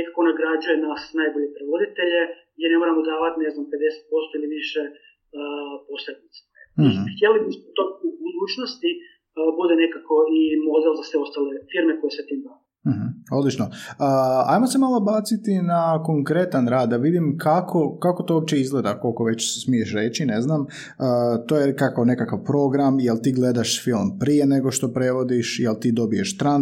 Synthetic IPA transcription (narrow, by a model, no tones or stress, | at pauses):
nekakoonaɡɾad͡ʒujenasnajboʎepɾeʋod̪it̪e̞ʎe | jeɾne̞mo̞ɾamod̪aːʋat̪ine̞znamped̪e̞se̥t̪̚po̞st̪oiliʋiʃe | po̞sled̪nit̪se̥xʲjelimispot̪oubud̪uːt͡ʃnost̪i | bud̪ene̞kako̞imo̞d̪elˠzasʋeo̞st̪aːlefiɾmekojeset̪iːmd̪aːa | m̩hm̩o̞d̪lit͡ʃnoəa̰jmose̞malˠobaːt̪sit̪inako̞ŋkɾe̞t̪anɾaːd̪ːaʋid̪imkʰakʰo̞kako̞t̪oop̚t͡ɕe̞izɡle̞d̪ako̞lˠko̞ʋe̞t͡ɕse̥smieʃɾe̞ːt͡ɕine̞znam | əːt̪oːjekakawne̞kakaʋpɾo̞ɡɾamjelt̪iːɡle̞d̪aʃfilˠmpɾije̞neɡo̞ʃt̪o̞pɾe̞ʋo̞d̪iʃjelt̪iːd̪o̞bije̞ʃt̪ɾan